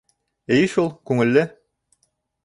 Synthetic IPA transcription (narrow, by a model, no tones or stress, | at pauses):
ɘjʃulˠkʉŋɘ̆lːɘ